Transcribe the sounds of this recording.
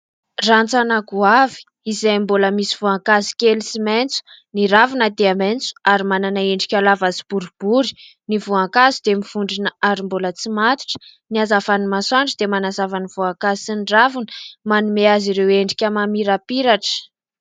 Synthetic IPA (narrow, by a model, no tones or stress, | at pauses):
rant͡sanaɡuavi̥ | izajmboləmisiv̥uaŋkazi̥kʲelsiment͡su̥ | niɾavinad̪eament͡su̥aɾimananaeɳɖ͡ʐikʲalavazib̥uɾub̥uɾi̥ | nivuaŋkazid̪emiv̥uɳɖ͡ʐinəaɾimbolət͡simat̪i̥ʈ͡ʂə̥niazafanimaswaɳɖ͡ʐəd̪emanazavaniv̥uaŋkazisinɖ͡ʐavinəmanumeaziɾeweɳɖ͡ʐikʲəmamiɾapiɾaʈ͡ʂə̥